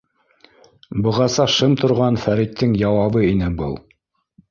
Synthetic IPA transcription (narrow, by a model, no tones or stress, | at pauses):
bɤ̆ʁɑsɑʃɤmt̪ŏɾʁɑnfæɾit̪ʰːɘŋjɑwɑβɤinɘbɤ̰lˠ